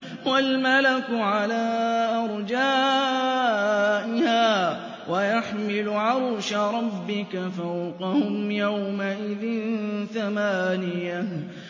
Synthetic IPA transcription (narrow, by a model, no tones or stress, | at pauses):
walmalakʊʕalaːʔɑɾˤd͡ʒaː | ʔɪhaː | wajaħmɪlʊʕaɾʃaɾˤɑbːɪkafawqɑhʊmjawmaʔɪðɪnθamaːnɪja